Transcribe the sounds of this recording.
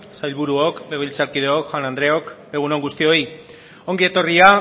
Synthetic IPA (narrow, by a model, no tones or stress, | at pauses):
sajlβuɾuokleɣilt͡saɾkið̞eokxwanand̪ɾe̞o̞k | e̞ɣ̞unoŋɡust̪io̞i | o̞ŋɡiet̪o̞ria